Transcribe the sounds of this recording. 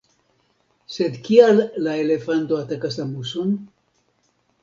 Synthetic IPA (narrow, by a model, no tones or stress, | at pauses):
se̞d̪kialːae̞le̞fanto̞atakasamusun